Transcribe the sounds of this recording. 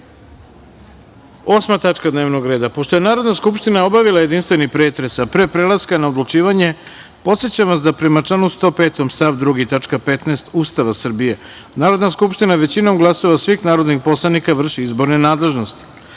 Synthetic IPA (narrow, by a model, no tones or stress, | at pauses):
o̞ːsmat̪at͡ʂkad̪neʋno̞ɡɾe̞ːd̪apo̞ʃt̪o̞je̞naːɾo̞d̪naskupʃt̪inao̞baʋilˠajed̪inst̪ʋe̞nipɾeːt̪ɾe̞sapɾepɾelaskanaod̪lut͡ʃiːʋaɲe̞ | po̞t̪se̞t͡ɕamʋasd̪apɾemat͡ʂanust̪o̞peːt̪o̞mst̪aʋd̪ɾuɡit̪at͡ʂkapet̪neːst̪ust̪aʋasr̩bije̞ | naːɾo̞d̪naskupʃt̪inaʋe̞t͡ɕino̞mɡlˠasoʋasʋixnaːɾo̞d̪nixpo̞slˠanikaʋr̩ʃiizbo̞ɾnenaːd̪le̞ʒno̞st̪i̥